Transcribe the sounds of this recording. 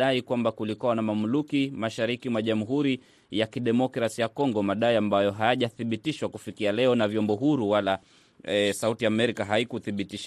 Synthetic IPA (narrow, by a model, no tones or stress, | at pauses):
aikwambakulikuwanamamulukimaʃaɾikimwaʄamuɦuɾi | jakiɗɛmɔkɾasijakɔŋɡɔmaɗaiambajɔɦajaʄaθiɓitiʃwakufikialɛɔnavjɔmbɔɦuɾuwala | sautiamɛɾikaɦaikuθiɓitiʃa